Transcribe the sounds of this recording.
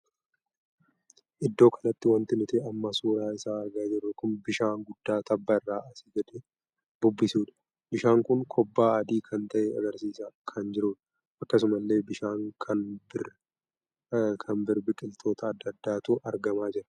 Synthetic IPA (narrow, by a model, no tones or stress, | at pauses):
ʔɪd̪ːo̞ːkʰɐnɐt̪ːɪwɐnt̪ɪnʊt̪ɛɐmːɐsuːɾaːɪsaːɐɾɡaːd͡ʒɪrːʊkʊnbɪʃaːŋɡʊd̪̥ːaːt̪ɐbːɐɪrːaːʔɐsɪɡɐᶑ̪ɛ | bʊbːɪsuːᶑ̪ɐ̥ | bɪʃaːŋkʊŋkʰɔbːaːɐd̪iːkʰɐnt̪ɐʔɛɐ̰ɡɐɾsiːsakʰɐnd͡ʒɪɾuːᶑ̪ɐ̥ | ʔɐkːɐsʊmɐlːe̞ːbɪʃaːŋkʰɐnb | kʰɐnbɪɾbɪkʼɪlt̪ʰo̞ːt̪ɐːd̪ːɐd̪ːaːt̪uːʔɐɾɡɐmaːd͡ʒɪɾɐ̥